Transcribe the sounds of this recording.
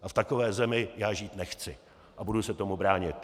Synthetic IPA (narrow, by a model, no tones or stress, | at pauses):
ʔaft̪ako̞vɛːzɛmɪjaːʒiːt̪nɛxt͡sɪ | ʔabudʊsɛt̪o̞mubɾaːɲɪt̪